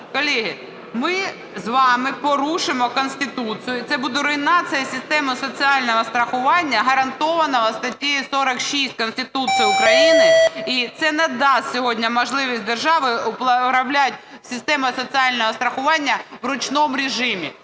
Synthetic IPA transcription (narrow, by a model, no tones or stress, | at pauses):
kɔlʲiɦɪ | mɪ | zʋɑmɪpɔɾuʃɪmɔkɔnsʲt̪ɪt̪ut͡s̪ijʊit̪sɛbud̪ɛɾɔjnɑt͡ssʲijɐsʲɪst̪ɛmʊsɔt͡sʲiɑlʲnɔɦɔst̪ɾɐxʊʋɑnʲːɐɦɐɾɐnt̪ɔʋɐnɔɦɐst̪ɐtʲijisɔɾɐkʃisʲtʲkɔnsʲt̪ɪt̪ut͡ssɨjʊʊkɾɐjinɪit̪sɛnɛd̪ɑsʲsʲɔɦɔdʲnʲɐmɔʒlˠɪʋʲisʲt̚ʲd̪erʒɑʋɪʊpˠpɾɐwlʲat̚ʲsʲɪst̪ɛmʊjsɔt͡sʲiɑlʲnɔɦɔst̪ɾɐxʊʋɑnʲːɐwɾʊt͡ʃnɔmʊɾʲɪʒɪmʲḭ